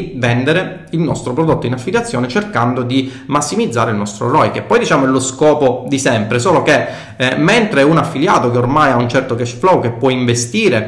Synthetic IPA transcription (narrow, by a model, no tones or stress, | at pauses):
vɛnd̪eɾe | ilnɔst̪ɾopɾod̪ot̪ːoinafːiljat̪sːjoːnet͡ʃerkand̪od̪i | masːimid̪zːaːɾeilnɔst̪ɾo̰rɔjkepːɔjd̪it͡ʃaːmoɛloskɔːpod̪isɛmpɾesoːlok̟e | ment̪ɾeunafːiljaːt̪okeormajaunt͡ʃɛrt̪okɛʃflɔwkepːwɔiɱvest̪iːɾe